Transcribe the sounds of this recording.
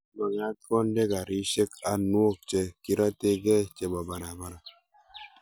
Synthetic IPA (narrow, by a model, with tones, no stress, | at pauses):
ba˨ŋ˦a˨˦kɔ˦n˦de˦ka˨ɾi˦ʃe˦ka˨nu˦o˦˨k̚t͡ʃe˦ki˦ɾa˦te˦ɡɛ˦t͡ʃe˦ba˨ba˨na˨ba˨na˨